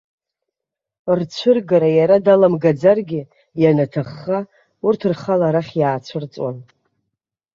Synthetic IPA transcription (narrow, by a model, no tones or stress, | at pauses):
rt͡sʷʰʊrɡaɾajaɾadalamɡad͡zarɡʲɪ | janatʰaχːa | urtʰɨrχalaɾaχʲjaːt͡sʷʰɨrt͡sʼwa̰n